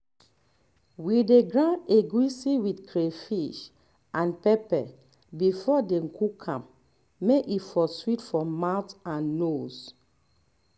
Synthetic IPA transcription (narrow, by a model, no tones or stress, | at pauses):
wideɡɹãneɡwisiwidkʰɾefiʃ | ãnpɛpɛ | bifɔdeŋ̩kʰukʰãm | mekifɔswitfɹɔ̃mawtãnːos